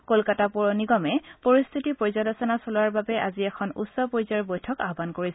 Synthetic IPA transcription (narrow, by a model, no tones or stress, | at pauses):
kolkatapɔɹɔniɡɔmɛpoɹist̪ʰitipojzɔlɔsɔnasolʊaɹbabɛʔa̰ziɛkʰɔnṵsɔpojzɔɹbojtʰɔkaɦɔbankoɹis